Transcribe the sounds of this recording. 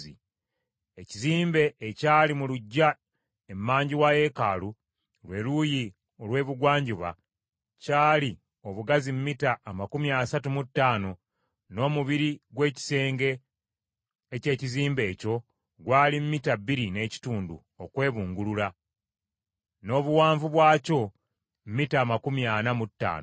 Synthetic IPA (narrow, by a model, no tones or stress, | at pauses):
ḭ | eciziːmbe̞ʔːcaːlimuluɟːa | emːaːɲɟiwaje̞kaːlu | lwe̞luji | o̞lwe̞ːβuɡwaːɲɟiβa̰ | caːli | o̞βuɡazimumːitaːmakumiaːsatumutːaːno̞ | no̞ːmuβiɾiɡwe̞ːci̥se̞ːŋɡe̞ | ce̞ːciziːmbe̞ːco̞ | ɡwaːlimumitabːiɾine̞ːci̥tuːndṵ | okwe̞ːβuːŋɡulula | no̞ːβuwaːɱvuβwaːco̞ | m̩mːitaːmakumjanamutːa̰ːno